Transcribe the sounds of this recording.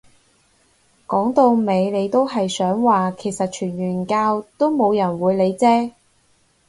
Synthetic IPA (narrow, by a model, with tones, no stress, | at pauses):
kɔː˨˥ŋt̪o˧wme˨˧jle˨˧jt̪o˥wɦɐ˨jsœː˨˥ŋwaː˨˩kʰe˨˩jsɐ˨t̚t͡ʃʰyː˨˩nɥyː˨˩nkaː˧wt̪o˥wmo˨˧wjɐ˨˩nwuː˨˧jle˨˧jt͡sɛː˥